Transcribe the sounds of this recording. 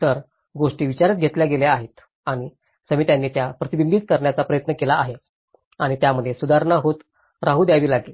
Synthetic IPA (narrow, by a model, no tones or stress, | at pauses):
t̪əɾ | ɡoʂʈiːʋit͡ɕaɾət̪̚ɡʱet̪ljaɡeljaaɦet̪ | aɽ̃i | səmit̪janːiːt̪japɾət̪ibind̪it̪̚kəɾɳjat͡sapɾəjət̪nəkelaaɦe | aɽ̃it̪jaməd̪ʱːjesud̪aɾɳaɦot̪ | ɾaɦuːd̪jaʋiːlaɡlel